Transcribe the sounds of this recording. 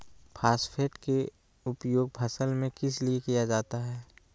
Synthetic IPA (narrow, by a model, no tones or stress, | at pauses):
pʰaːspʰeːʈke | ʊpjoːɡ̚bʰʱɐsəlmẽkɪs̬liekijad͡ʒaːt̪aɦɛː